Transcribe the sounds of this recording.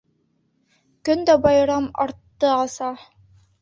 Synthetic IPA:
kɵnd̪æbɑjɾɑmɑɾt̪ːɤɑsɑ

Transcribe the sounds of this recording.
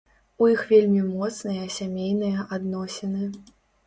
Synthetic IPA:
ujixvʲelʲmʲimɔt̪snɨjɐsʲamʲejnɨjɐʔad̪nɔsʲɛnɨ

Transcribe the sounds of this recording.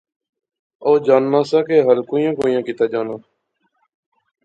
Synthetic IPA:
oːd͡ʒaːnmãːsaːkeːɦəlkoːijãːkoːjãːkɪːt̪aːd͡ʒaːnaː

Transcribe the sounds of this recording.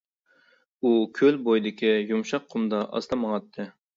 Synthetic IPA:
ukʲʰølbojd̪ɪkʲijumʃɑqʰːʊmd̪ɑʔɑ̰st̪ɑmɑŋɑt̪ʰːɨ

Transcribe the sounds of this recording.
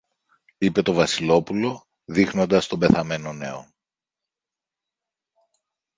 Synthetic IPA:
ipe̞t̪o̞vɐsilo̞pulo̞ | ðixno̞nd̪ɐst̪obe̞θɐme̞no̞ne̞o

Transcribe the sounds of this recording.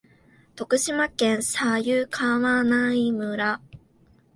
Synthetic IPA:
t̪o̞kɯ̟ɕimakẽ̞ɰ̃sajɯːkʰaːβanaimɯ̟ɾa

